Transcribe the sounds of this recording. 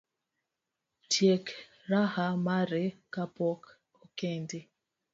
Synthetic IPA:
tjek | ɾahamaɾekapɔk | okɛndi

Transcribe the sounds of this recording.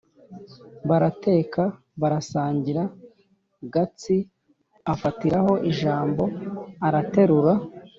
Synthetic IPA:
βaɾate̞ːkʰa | βaɾasaːɲɟiɾa | ɡat͡si | afatiɾaho̞ʔiʒaːmbo̞aɾate̞ɾuɾa

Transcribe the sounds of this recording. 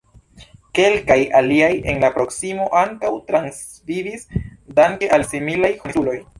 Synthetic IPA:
ke̞lkajaliaje̞̰nlapɾo̞ksimo̞ʔaŋkawtɾans | vivisdaŋkeʔalsimilajhoniulo̞j

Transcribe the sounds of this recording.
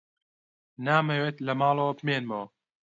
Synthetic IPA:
naːmɐweːt̪lɐmɑːlˠowɐbɨmeːnmow

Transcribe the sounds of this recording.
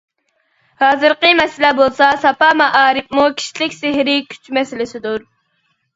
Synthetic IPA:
hɑːzɨɾqəmɛsɪlɛbolˠsɑsɑpɑmɑʔɑːɾɨf̚mukʲʰi̥ʃilɪkʲsɪɦɾɪkʲʰy̥t͡ʃmɛsɪlɪsɪd̪uɾ

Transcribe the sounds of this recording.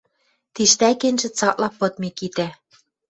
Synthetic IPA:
t̪iʃt̪ækenʲʒɘ̆t͡sɑklɑpɤ̆t̪̚mikit̪æ

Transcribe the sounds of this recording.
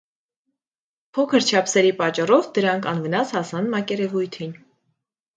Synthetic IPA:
pʰɔkʰəɾt͡ʃʰɑpʰsɛɾipɑt͡ʃːɑrɔvd̪əɾɑŋkʰɑnvənɑshɑsɑnmɑkɛɾɛvujt̪ʰin

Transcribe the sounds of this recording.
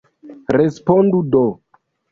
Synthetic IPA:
ɾespondudo

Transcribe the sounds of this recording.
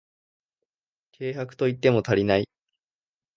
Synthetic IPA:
kʰe̞ːhakɯ̟̥t̪o̞it̪ːe̞mo̞t̪aɾʲinai

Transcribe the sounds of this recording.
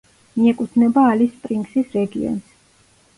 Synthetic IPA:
miɛkʼut̪ʰnɛbaːlispʼɾiŋɡsisɾɛɡiɔ̰ns

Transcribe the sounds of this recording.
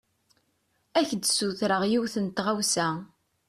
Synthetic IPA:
æçd̪suθɾəʁjiwθənt̪ʁawsæ

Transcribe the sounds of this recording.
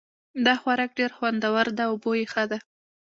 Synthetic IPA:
d̪ɑxwaɾɑk̚ɖeɾxwand̪awaɾd̪aobojexəd̪a

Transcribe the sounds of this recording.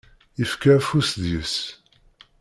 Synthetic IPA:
ifkafusðjəs

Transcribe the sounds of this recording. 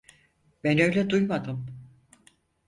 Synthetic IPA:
b̥ɛnø̞jlʲɛd̪ujmad̪ɯm

